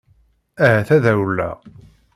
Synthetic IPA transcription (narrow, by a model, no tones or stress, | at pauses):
æhæθæðæwlːæ̰